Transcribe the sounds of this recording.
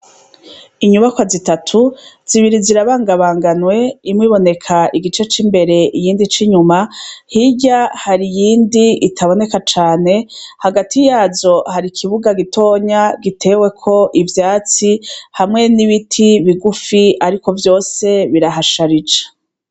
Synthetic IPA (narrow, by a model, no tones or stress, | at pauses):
iɲuβakwazitatʰuz̥iβiɾiziɾaβaːŋɡaβaːŋɡanwe̞imŋiːβo̞ne̞kʰaʔiɡit͡ʃe̞t͡ʃimbe̞ɾe̞ʔijiːndit͡ʃiɲumahiɟahaɾijiːndiitʰaβo̞ne̞kat͡ʃaːne̞haɡatʰijaːzo̞haɾikʰiβuɡaɡitʰo̞ːɲaɡitʰe̞we̞kʰo̞ʔivjaːt͡sihamŋe̞niβitʰiβiɡufiaɾiko̞vjo̞ːse̞βiɾaɦaʃaɾid͡ʒḁ